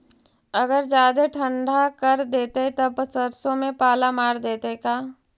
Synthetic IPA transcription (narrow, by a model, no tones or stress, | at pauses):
ɐɡəɾd͡ʒaːd̪eʈʰə̃ɳɖʱakɐɾd̪eːt̪et̪ɐpəsəɾsõmẽpaːlamaːɾd̪eːt̪ekaː